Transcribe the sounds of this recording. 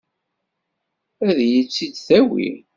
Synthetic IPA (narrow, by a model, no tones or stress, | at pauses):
æðjit͡sːid̪θæwḭ